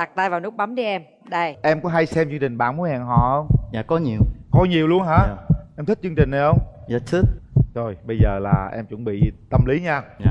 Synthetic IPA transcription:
ɗa˨˩k̚t̪aː˧jvaː˨˩wnu˦˥k̚ɓa˨˦mɗə˨˦ʔɛ˧m | ɗə˧jʔɛ˧mkɔ˨˦ɦa˧jsɛ˧mt͡ɕɨ˧ŋt͡ɕï˨˩ŋ̟ɓaː˧˩nmu˨˦hɛ̰ː˧˨nɦɔ̰˧˨hə˧wŋ͡mɲa̰ː˧˨˩kɔ˨˦ɲi˨˩əwkɔ˨˦ɲi˨˩əwlu˧ənɦa̰ː˧˥ʔɛ˧mt̪ʰi˦˥k̚t͡ɕɨ˧ŋt͡ɕï˨˩ŋ̟nə˨˩˦hə˧wŋ͡mzə˦˥t̚t̪ʰɨ˦˥k̚zo˨˩jɓə˧jzəː˨˩laː˨˩ʔɛ˧mt͡ɕə̰˧˩nɓḭ˧˨t̪ə˧mli˨˦ɲaː˧˨

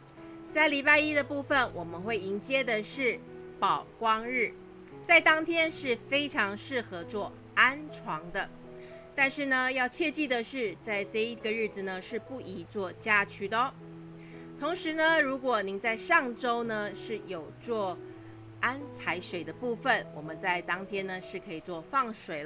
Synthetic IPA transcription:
t͡sa˥˩ɪli˨˩pa˥˧ɪi˥˩d̪ə˨pu˥˧fə˨nwʔɔ˨˩mə˦nxwe˥˩ɪi˧˥ŋt͡ɕjɛ˥d̪ə˨ʂɻ̩˥˩pɑ˨˩ʊkwɑ˥ŋɻ̩˥˩ | t͡sa˥˩ɪt̪ɑ˥ŋt̪ʰjɛ˥nʂɻ̩˥˩fe˥ɪʈ͡ʂʰɑ˧˥ŋʂɻ̩˥˩xɤ˧˥t͡swɔ˥˩ | a˥nʈ͡ʂʰwɑ˧˥ŋd̪ə˧ | t̪a˥˧nʂɻ̩˥˩nə˩jɑ˥˧ʊt͡ɕʰjɛ˥˧t͡ɕi˥˩d̪ə˨ʂɻ̩˥˧t͡sa˥˧ɪʈ͡ʂɤ˥˧i˥˩ɡə˨ɻɻ̩˥˩d͡z̩˩nə˩ʂɻ̩˥˧pu˥˩ʔi˧˥t͡swɔ˥˩t͡ɕja˥t͡ɕʰy˧˥d̪ə˨ | t̪ʰʊ˧˥ŋʂɻ̩˧˥nə˧ɻu˧˥kwɔ˨˩ni˧˥ŋt͡sa˥˧ɪʂɑ˥˩ŋʈ͡ʂo˥ʊnə˧ʂɻ̩˥˩jo˨˩ʊt͡swɔ˥˩ | a˥nt͡sʰa˧˥ɪʂwe˨˩ɪd̪ə˦pu˥˧fə˨˩nwɔ˨˩mə˦nt͡sa˥˩ɪt̪ɑ˥ŋt̪ʰjɛ˥nnə˨ʂɻ̩˥˩kʰɤ˧˥i˨˩t͡swɔ˥˧fɑ˥˩ŋʂwe˨˩ɪl

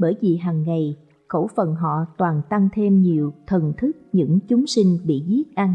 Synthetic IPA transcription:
ɓəː˧˩jvi˨˩ɦaː˨˩ŋːa˨˩j | xo˧˩wfə˨˩nɦɔ̰˧˨t̪waː˨˩nt̪a˧ŋt̪ʰe˧mɲi˨˩əwt̪ʰə˨˩nt̪ʰɨ˦˥k̚ɲɨ̰˧˥ŋt͡ɕʊ˨˦ŋ͡msï˧ŋ̟ɓḭ˧˨zi˦˥ət̚ʔa˧n

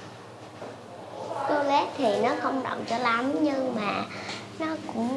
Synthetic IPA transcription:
k̪o˧ɣɛ˨˦˥t̚t̪ʰi˨˩nɔ˨˦xə˧wŋ͡mɗə̰˧˨wŋ͡mt͡ɕɔ˧la˨˦mɲɨ˧ŋmaː˨˩ | nɔ˨˦kʊ̰˧˥ŋ͡m

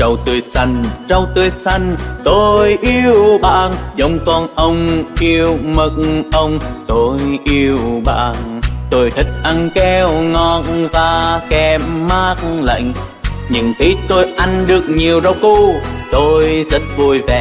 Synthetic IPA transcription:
t͡ɕa˧˩wt̪ɨ˧˩sa˧˩ŋ̟t͡ɕa˧wt̪ɨ˧˩sa˧jŋ̟t̪o˧jʔi˧əwɓa̰ː˧˨nzə˨˦wŋ͡mkɔ˧nʔə˧wŋ͡mʔi˧əwmə˨˩k̚ʔə˧wŋ͡mt̪o˧˩jʔi˧əwɓa̰ː˧˨nt̪o˧jt̪ʰə˦˥t̚ʔa˧ŋkɛ˧wŋɔ˧˩t̚vaː˨˩kɛ˧˩mːaː˦˥k̚la̰˧˨jŋ̟ | ɲɨ̰˧ŋt̪ʰi˨˦t̪o˧jʔa˧nɗɨ˨˩ək̚ɲi˨˩əwzə˧wku˧t̪o˧jzə˦˥t̚vu˧jvɛ̰˧˨

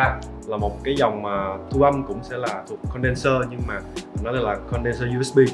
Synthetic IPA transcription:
aː˧ | laː˨˩mo˨˩t̚kaː˨˦jzɔ˨˩wŋ͡mmaː˨˩t̪ʰu˧ʔə˧mkʊ̰˧˥ŋ͡msɛ̰˧˥laː˨˩t̪ʰu˨˩t̚kɔ˧nɗɛ˧nsəː˧ɲɨ˧ŋmaː˨˩nɔ˨˦la˨˩laː˨˩kɔ˧nɗɛ˧nsəː˧ʔu˧ɛ˦˥ɓi˧

